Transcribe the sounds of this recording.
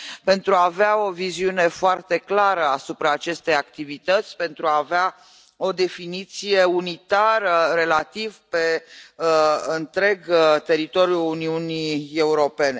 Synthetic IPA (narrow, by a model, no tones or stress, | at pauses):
pe̞nt̪ɾuaːveao̞viziune̞foart̪e̞klaɾəasupɾaːt͡ʃe̞st̪e̞jakt̪ivit̪ət̪sʲpe̞nt̪ɾuaːvea | o̞d̪e̞finit̪sijeunit̪aɾəɾe̞lat̪ivpe̞ | ɨnt̪ɾe̞ɡt̪e̞ɾit̪o̞ɾjuːniunie̞uɾo̞pe̞ne̞